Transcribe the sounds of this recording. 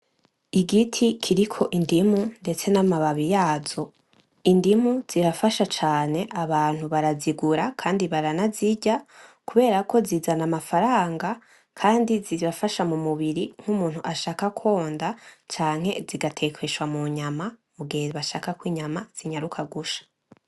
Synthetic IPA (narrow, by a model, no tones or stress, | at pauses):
iɡitʰikʰiɾikʰo̞ʔindimunde̞t͡se̞namaβaβijaːz̥o̞ | indimuz̥iɾafaʃat͡ʃaːne̞ʔaβaːn̥huβaɾaziɡuɾakʰaːndiβaɾanaziɟakuβe̞ːɾako̞ziːzanamafaɾaːŋɡa | kʰaːndiziɾafaʃamumuβiɾiŋ̥humuːnhuʔaʃaːkakʰo̞ːndat͡ʃaːŋ̥he̞ziɡatʰe̞kʰwe̞ʃwamuɲamamuɡieβaʃaːkakwiːɲamaz̥iɲaɾukʰaɡuʃḁ